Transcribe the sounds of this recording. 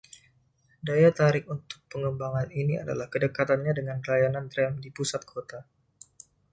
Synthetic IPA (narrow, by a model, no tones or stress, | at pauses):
dajat̪aɾɪk̚unt̪ʊ̥k̚pəŋəmbaŋaninia̰da̰lahkədəkat̪anɲadəŋankəlajanant̪ɾɛmdipusat̪̚kʰot̪a